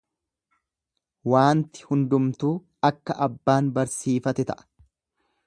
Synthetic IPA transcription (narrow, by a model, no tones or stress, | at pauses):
waːnt̪ɪ̥hʊnd̪ʊmt̪uː | ɐkːɐʔɐbːaːnbɐɾsiːfɐt̪ɛt̪ɐ̰ʔɐ̥